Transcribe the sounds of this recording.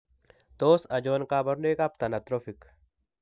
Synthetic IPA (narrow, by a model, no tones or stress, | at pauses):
t̪oːsɐd͡ʒoːnkaːbɐɾnuekap̚t̪ɐnɐt̪ɾofik